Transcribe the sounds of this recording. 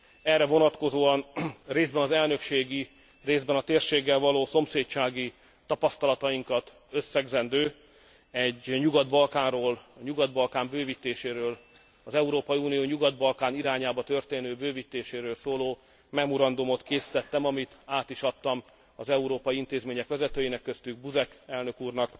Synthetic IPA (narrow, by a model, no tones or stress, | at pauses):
ɛrːɛvo̞nɒt̪ko̞zoːɒnreːzdbɛnɒzɛlnø̞kʃeːɡi | reːzbɛnɒt̪eːrʃeːɡːɛlvɒloːso̞mseːtt͡ʃaːɡi | t̪ɒpɒst̪ɒlɒt̪ɒiŋkɒt̪ | øsːɛɡzɛnd̪øː | ɛɟɲuɡɒd̪bɒlkaːnroːlɒɲuɡɒd̪̚bɒlkaːmbøːvit̪ːeːʃeːɾøːl | ɒzɛuɾoːpɒjiunijoːɲuɡɒd̪̚bɒlkaːniɾaːɲaːbɒt̪ørt̪eːnøːbøːvit̪ːeːʃeːɾøːlsoːloː | mɛmoɾɒnd̪umo̞t̪keːsi̥t̪ɛt̪ːɛmɒmit̪aːt̪iʃɒt̪ːɒm | ɒzɛuɾoːpɒjiint̪eːzmeːɲɛkʋɛzɛt̪øːjinɛkːøst̪yɡ̚buzɛkɛlnøkuːrnɒk